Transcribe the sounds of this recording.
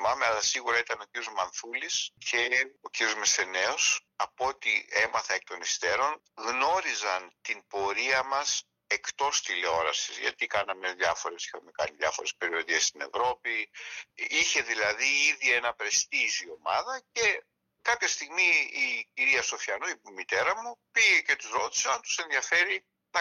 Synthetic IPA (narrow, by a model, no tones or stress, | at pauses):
mɐmeɐlɐsiɣuɾɐit̪ɐno̞ciɾio̞zmɐnθulisce̞o̞ciɾjo̞zmese̞ne̞o̞s | ɐpot̪ie̞mɐθɐek̚t̪o̞nist̪e̞ɾo̞n | ɣno̞ɾizɐnt̪imbo̞ɾiɐmɐs | e̞kt̪o̞st̪ileo̞ɾɐsizʝɐ̰t̪ikɐnɐmeðjɐfo̞ɾe̞si̥xɐmekɐ̰niðjɐfo̞ɾe̞spe̞ɾio̞ðest̪ine̞̰vɾo̞pi | içe̞ðilɐðiiðie̞nɐpɾe̞st̪izio̞mɐðɐce̞ | kɐpçɐst̪iɣmiːciɾiɐso̞fçɐnoimit̪e̞ɾɐmupiʝece̞t̪uzɾo̞t̪i̥sɐnt̪u̥se̞nðjɐfe̞ɾi | t̪ɐ